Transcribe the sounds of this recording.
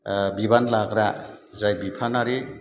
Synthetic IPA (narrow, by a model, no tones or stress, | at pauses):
bibanlaɡɾazajbipʰanaɾe